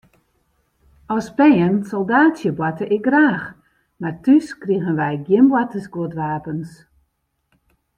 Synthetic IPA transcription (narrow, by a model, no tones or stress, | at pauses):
ɔspɛːənsɔlˠdaːtsjəbwatəʔɪkraːx | martyskriɣənʋɛjɡjɪmbwatəsɡwotʋaːpəns